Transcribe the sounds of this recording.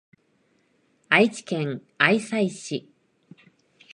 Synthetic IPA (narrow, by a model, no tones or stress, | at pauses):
ait͡ɕi̥kẽ̞ŋ | aisaiɕi